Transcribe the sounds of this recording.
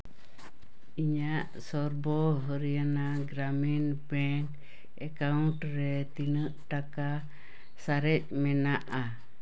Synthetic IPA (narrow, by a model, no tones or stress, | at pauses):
iɲaʔsɔɾbɔɦəɾijana | ɡɾaminbɛŋk | ɛkaunʈɾɛt̪inəʔʈaka | saɾɛc̚ˀmɛnaʔa